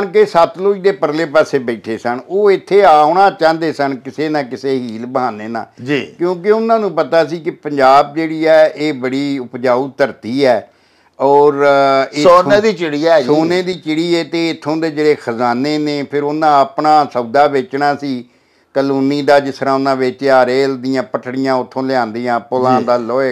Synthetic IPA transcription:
nkesət̪loːiːd̪eːpəɾleːpɛːseːbɛːʈʰeːsəɳoːɪt̪ʰːeːaːonãːt͡ʃãːnd̪eːsənkɪseːnãːkɪseːɦiːlbãːneːnã̰ːd͡ʒiːkjõːkɪʊnãːnũːpət̪aːsiːkɪpəɲd͡ʒaːb̚d͡ʒeːɽiːɛːʔeːbəɽiːʊpd͡ʒaːuːt̪əɾt̪iːɛː | ɔːɾɪoːnẽːd̪iːt͡ʃɪɽiːɛsoːnẽːd̪iːt͡ʃɪɽiːɛːt̪eːɪt̪ʰːõːd̪eːd͡ʒeɽeːkʰəzaːneːneːpʰɪɾʊnãːəpɳãːsəbd̪aːʋeːt͡ʃnaːsiː | kəluːniːd̪aːd͡ʒɪsɾãːʊnãːʋɪt͡ʃaːɾeːld̪ijãːpəʈʰɽɪjãːʊt̪ʰːõːlɪãːnd̪iːãːpʊlãːnd̪aːloːeː

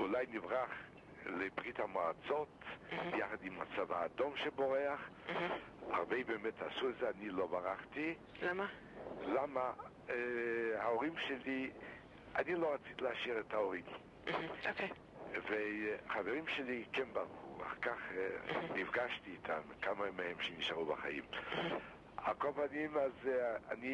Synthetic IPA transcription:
ulaɪnɪvʁaχ | lɪbʁitamɔat͡sɔtjaχadɪmat͡savaːdɔmʃɛbɔʁɛaχ | a̰ʁveɪbɛmɛtʰasuzanilˠobaʁaχti | lama | lama | haoʁimʃɛli | aniloʁat͡si̥t̪ileaʃiʁetaoʁim | oke | veχaveʁimʃelikɛnbaʁχṵa̰χkaχnivɡaʃtiːtʰamkamamehɛmʃeniʃaʁubaχa̰jḭm | a̰kobanimazani

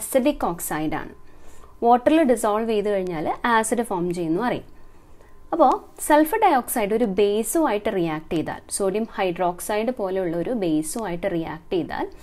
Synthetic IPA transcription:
siɖikːo̞ːksɐjɖa̰ːɳɨ̰ʋo̞ːʈːɐrilɨɖisoːɖʋeːjðɨkɐɻiɲːaːlaːsidɨfoːrmt͡ɕe̞jːunːupɐrɐjṵm | ɐpːo̞ːselfɨɖɐjo̞ːksɐjiɖo̞ɾube̞ːsuʋaːjiʈːɨrijaːk̚ʈejt̪ːa̰ːlsoːɖjɐmhɐjɖro̞ːksɐjɖɨpo̞ːle̞juɭːɐo̞ɾube̞ːsuʋaːjiʈːɨrija̰ːk̚ʈɨejt̪ːa̰ːl

